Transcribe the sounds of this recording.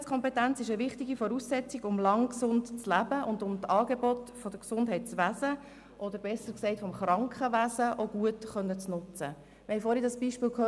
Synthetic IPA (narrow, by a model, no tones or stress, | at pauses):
t͡skʰɔmpɛtænt͡sɪʃəʋɪχtiɡifɔɾuːsːɛt͡siɡʊmlɑŋksʊntt͡slæbəʔʊndʊmtɑːɡ̥ebɔtfɔd̥əksʊndɦɛɪt̚t͡sʋæzə | ʔɔd̪əɾbɛsəɾksɛɪtfɔmχrɑŋkχəʋæzəʔoɡ̥uətχœnːət͡snʊt͡sə | ʋɛɪfoːɾidɑsb̥iːʃpiːlkʰø